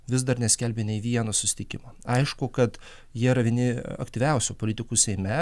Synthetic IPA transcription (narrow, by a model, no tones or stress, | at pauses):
ʋʲɪs̬d̪ɐɾnʲɛsʲkʲɛlʲbʲeːnʲɛɪʋʲiɛnosʊsʲɪ̥t̪ʲɪkʲɪmɐɐɪʃkʊkɐt̪ | jiɛɾɐʋʲiɛnʲɪɐ̰kt̪ʲiːʋʲɛˑʊsʲuːpoːlʲɪt̪ʲɪkuːsʲɛɪmʲɛ